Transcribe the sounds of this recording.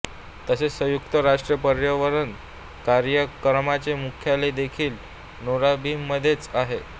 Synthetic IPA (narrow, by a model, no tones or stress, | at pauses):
t̪əsesəjukt̪əɾaʂʈɾijəpəɾjəʋəɾən | kaɾjəkɾəmat͡ɕemukʰjaled̪ekʰiːl | noɾabiːmːəd̪ʱjet͡saɦe